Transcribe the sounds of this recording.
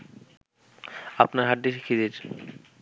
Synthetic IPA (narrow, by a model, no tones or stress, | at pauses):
apnaɾɦaʈːiʃikʰid̪eɾ